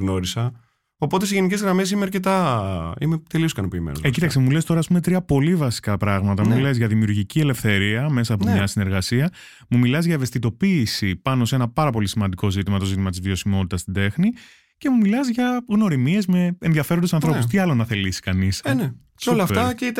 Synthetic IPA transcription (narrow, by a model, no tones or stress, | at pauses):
ɣno̞ɾisɐ | opo̞t̪esiʝenice̞zɣɾɐmes̬imeɐɾcet̪ɐḭmet̪e̞lioskɐno̞piːmḛn̰secit̪ɐksemule̞st̪oɾɐːspume̞t̪ɾiɐpo̞livɐsi̥kɐpɾɐɣmɐt̪ɐmule̞zʝɐðimiuɾʝiciele̞fθe̞ɾiɐme̞sɐːpomɲɐsine̞ɾɣɐsiɐ | mumilɐzʝɐeve̞st̪it̪o̞piːsipɐno̞se̞nɐpɐɾɐpo̞lisimɐnd̪iko̞zit̪imɐt̪o̞zit̪imɐt̪izvio̞simo̞t̪it̪ɐst̪id̪e̞xni | ce̞mumilɐzʝɐɣno̞ɾimie̞zme̞enðiɐfeɾnd̪esɐnθɾo̞pust̪iɐlonɐθe̞lisi̥kɐnisne | seolɐfetɐceit̪